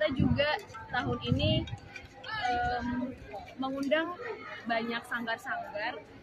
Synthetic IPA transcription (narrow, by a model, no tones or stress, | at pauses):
t̪ad͡ʒuɡat̪aɦʊnini | ʔəmː | əŋundaŋbaɲak̚saŋɡarsaŋɡar